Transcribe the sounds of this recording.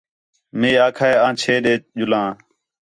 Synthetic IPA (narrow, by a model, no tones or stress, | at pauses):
mĩːaːkʰaːeːãːt͡ʃʰeːɗeːʄʊlãː